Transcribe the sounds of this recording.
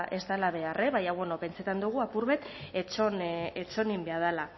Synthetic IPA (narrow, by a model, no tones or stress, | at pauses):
ʔe̞zt̪alaβ̞e̞arʔe̞βajawonope̞nt͡se̞t̪and̪uɣ̞uapuɾβe̞t̪et͡ʃonet͡ʃo̞nimbe̞að̞ala